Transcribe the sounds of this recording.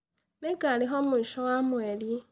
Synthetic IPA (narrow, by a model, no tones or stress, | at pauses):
neɡaliɦomuʃowamweli